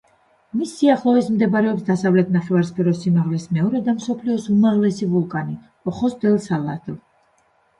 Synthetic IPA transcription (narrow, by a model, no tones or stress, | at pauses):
misːiaχlˠɔismd̪ɛbaɾɛɔpsd̪asavlɛt̪ʰnaχɛvaɾspʰɛɾɔsimaʁlɛsmɛɔɾɛd̪amsɔpʰliɔsumaʁlɛsivulˠkʼani | ɔχɔsd̪ɛlˠsalˠa̰t̪ʰlˠ